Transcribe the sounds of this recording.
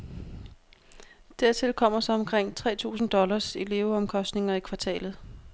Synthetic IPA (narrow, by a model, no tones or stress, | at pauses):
d̥æɐ̰t͡sʰe̝lkʰɒ̽m̰ɐsɒ̽ɒ̽mkʰʁeŋ̰t͡sʰʁɛ̰ːt͡sʰṵːsn̩d̥ɒ̽lɐsele̝ʊɒ̽mkʰɒ̽sd̥ne̝ŋɐikʰʋɑ̈t͡sʰɛ̰ːlð̞̩ˠ